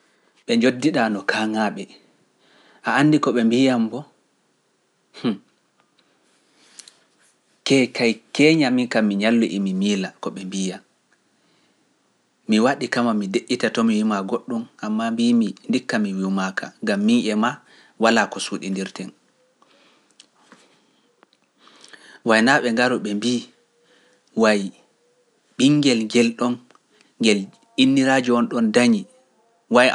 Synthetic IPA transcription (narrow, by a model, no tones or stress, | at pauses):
ɓɛɲd͡ʒodːiɗanɔkʰaŋaɓɛ | ʔaanːdikɔɓɛmbijambɔ | h | kɛkʰajkɛːɲamiŋkamːiɲalːuʔimimiːlakɔɓɛmbija | miwaɗikamamideʔːitatɔmiwimaɡoɗːumʔamːambimindikːamiwiwmakaŋɡamːiŋʔɛma | walakɔsuɗḭndiɾtɛn | wajnaɓɛŋɡaɾɔɓɛmbiː | waj | ɓiŋɡɛlɡɛlɗɔn | ɡɛl | inːiɾad͡ʒuɔnɗɔndaɲi | waj